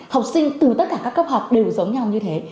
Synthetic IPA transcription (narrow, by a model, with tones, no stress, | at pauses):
ha˨˩wk͡p̚sï˧ŋ̟t̪ɨ˨˩t̪ə˦˥t̚kaː˧˩kaː˦˥kːə˦˥p̚hə˨˩wk͡p̚ɗe˨˩wzə˨˦wŋ͡mɲa˧wɲɨ˧t̪ʰe˨˦